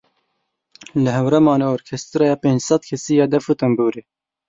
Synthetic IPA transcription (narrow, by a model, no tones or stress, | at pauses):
lɨɦɛwɾɛmɑːneoːɾkʰɛst̪ɨɾɑːjɑːpeːnd͡ʒsɑd̪̚kʰɛsiːjɑːd̪ɛfut̪ɛmbuːɾeː